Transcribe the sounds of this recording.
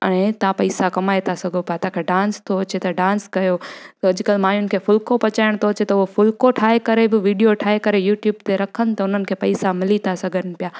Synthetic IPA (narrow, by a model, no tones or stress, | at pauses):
ɐ̃ẽt̪ãpɐɪsakɐmaːet̪ʰasɐɡʱopɪjat̪ɐãkʰeɖãːnst̪ʰoɐt͡ɕet̪ɐɖãːnskɐjoɐd͡ʑʊkɐlmaːjʊnɪ̆kʰeːfʊlkopɐt͡ɕaːɪɽ̃t̪ʰoɐt͡ɕet̪ɐʊɦofʊlkoʈʰaːɦekɐɾebɪʋiːɖijoʈʰaːekɐɾejuːʈjuːbt̪eɾɐkʰənɪ̆t̪ɐʊn̤ənɪ̆kʰeːpɐɪsamɪlit̪ʰasɐɡʱənɪ̆pijaː